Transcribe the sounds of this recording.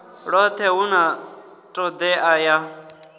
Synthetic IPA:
ɺɔt̪ʰɛuna | tʼɔd̪ɛʔaja

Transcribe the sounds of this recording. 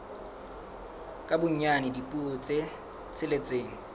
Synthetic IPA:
kʼabʊɲ̩ɲanɪdipʼut͡sʼe | t͡sʰɪlet͡sʼeːŋ̩

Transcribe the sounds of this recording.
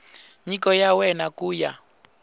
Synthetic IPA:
ɲikɔjawɛnakuːja

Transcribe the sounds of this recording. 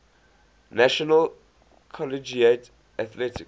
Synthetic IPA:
naʃɔnəl | kʰɔlid͡ʒiet | aθlɛtik

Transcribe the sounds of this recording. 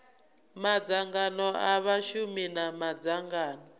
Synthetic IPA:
mad͡zaŋɡanɔaβaʃuminamad͡zaŋɡaːnɔ

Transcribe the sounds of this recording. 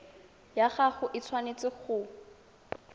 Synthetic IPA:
jaχaχʊʔɪt͡sʰwanet͡sɪχʊ

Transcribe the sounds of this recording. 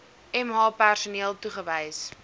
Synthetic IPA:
ɛmɦɑːpærsuniːəlˠtuχəvəjs

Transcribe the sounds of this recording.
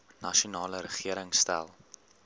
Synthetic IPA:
nɐʃunɑːləɾəχiəɾəŋstæ̰lˠ

